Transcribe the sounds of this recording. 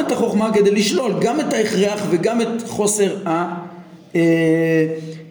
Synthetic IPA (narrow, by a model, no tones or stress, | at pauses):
etaχo̞χmaked̪elːiʃlo̞lɡametaeχʁeaχveɡame̞tχo̞se̞ʁa | e